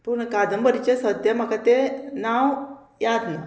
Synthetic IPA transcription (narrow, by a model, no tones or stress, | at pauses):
punɐkaːd̪ɐmbəɾit͡ʃesɐd̪jɐmɐkɐt̪enaːw | jaːd̪nu